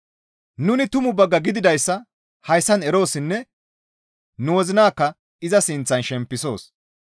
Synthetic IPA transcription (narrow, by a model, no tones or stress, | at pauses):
nʊnɪt̪ʊmʊbɐɡːɐɡɪd̪ɪd̪ɐjsːɐ | hɐjsːɐnɛɾo̞ːsɪnːɛ | nʊwɔzɪnaːkːɐ | ɪzɐsɪnt͡sːɐnʃɛmpːɪso̞̰ːs